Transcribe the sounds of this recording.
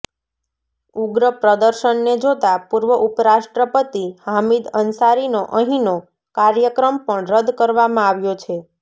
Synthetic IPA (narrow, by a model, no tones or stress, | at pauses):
uɡɾəpɾəd̪əɾʃəɳːed͡ʒot̪apuɾʋəʔupɾaʃʈɾəpət̪ihamid̪ənsaɾinoʔəɦino | kaɾjəkɾəmpəɳɾəd̪kəɾʋamãaʋjot͡ʃʰe